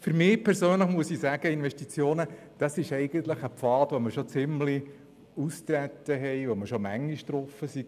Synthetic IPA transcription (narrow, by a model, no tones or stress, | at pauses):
fyɾmɪːpʰɛɾsøːnləχmuəsisæɡ̥əɪnʋɛʃtit͡sjoːnə | d̥ɑsɪʃɛɪɡ̥ənt̪ləχəpfɑːtʋoməʃot͡sɪmli | ust̪ɾæt̪ːəɦɛjʋoməʃomæŋːiʃtɾɔfəsi